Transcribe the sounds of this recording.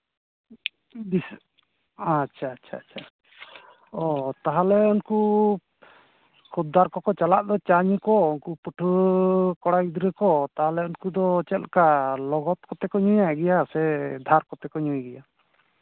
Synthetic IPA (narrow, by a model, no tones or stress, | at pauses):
bis | at͡ʃʰaːtːt͡ʃʰatt͡ʃʰa | ɔt̪aɦalɛɔnku | kʰɔd̪aɾkɔkɔt͡ʃalaʔd̪ɔt͡ʃaɲukɔɔnkupuʈʰəkɔɽajd̪iɾɛkɔt̪aɦalɛɔnkud̪ɔt͡ʃɛt̪kalɔɡɔt̪kɔt̪ɛkɔɲujaɡɛjasɛd̪ʱaɾkɔt̪ɛkɔɲujɡɛja